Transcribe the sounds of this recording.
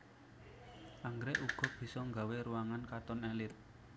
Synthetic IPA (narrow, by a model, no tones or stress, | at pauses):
ʔaŋɡɾɛʔuɡ̥ɔ̤b̥i̤sɔŋɡa̤weɾuwaŋankat̪ɔnɛlɪt̪̚